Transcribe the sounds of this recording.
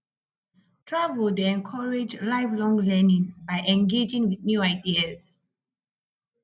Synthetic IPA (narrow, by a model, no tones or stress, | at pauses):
tʰɹavəldɛ̃nkʰɔɹed͡ʒlaɪvlɔ̃ŋlɛnĩŋbajʔɛ̃nɡed͡ʒĩŋwiðnjuaɪdiaz